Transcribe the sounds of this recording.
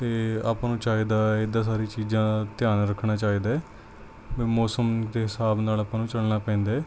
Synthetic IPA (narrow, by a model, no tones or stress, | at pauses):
t̪eːa̰ːpãːnũːt͡ʃaːiːd̪aːed̪ãːs̬aːɾiːt͡ʃiːzãːt̪ɪjaːnɾəkʰnaːt͡ʃaːiːd̪aːɛː | biːmɔːsəmd̪eːɦɪsaːbnaːlapãːnũːt͡ʃəlnaːpɛ̃ːnd̪ː